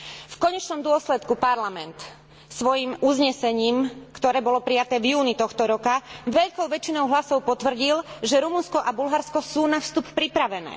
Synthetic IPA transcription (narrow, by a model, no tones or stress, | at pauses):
fkɔɲɛt͡ʃnɔmd̪ʊɔslɛt̪kupaɾlamɛnt̪ | sʋɔjimʔuzɲɛsɛɲiːmkt̪ɔɾɛːbɔlɔpɾijat̪ɛːvjuːnit̪ɔxt̪ɔɾɔkaʋɛʎkɔʊʋɛt͡ʃinɔʊɦlasɔʊpɔt̪ʋr̩ɟilʒɛɾumunskɔʔabulɦaɾskɔsuːnafst̪uppɾipɾaʋɛnɛ̰ː